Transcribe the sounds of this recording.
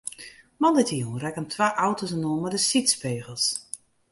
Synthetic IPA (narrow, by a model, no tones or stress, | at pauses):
mɑndətʰiunrɛkəmtʰʋaːʔawtosənonmɛdəsitspeːɣəlˠs